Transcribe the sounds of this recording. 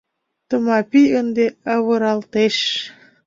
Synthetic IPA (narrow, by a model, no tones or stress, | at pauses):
t̪ɤ̆mɑpʲijənd̪eɑβɤ̆ɾɑlt̪eʃ